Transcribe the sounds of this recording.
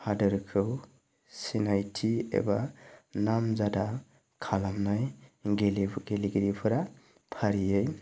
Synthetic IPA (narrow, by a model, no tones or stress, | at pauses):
hadɯɾkʰɯw | sinajtʰiḛbanamzada | kʰalamnajɡeliɡeliɡɾipʰɯɾa | pʰaɾijɯj